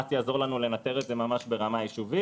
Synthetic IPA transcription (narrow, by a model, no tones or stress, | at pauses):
at͡sjaːzo̞ʁlanule̞nat̪e̞ʁetze̞mamaʃbe̞ʁamajiʃuvi